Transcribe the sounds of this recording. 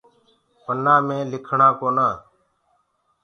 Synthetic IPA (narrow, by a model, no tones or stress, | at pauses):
pənãːmẽːlɪkʰɳãːkoːnãː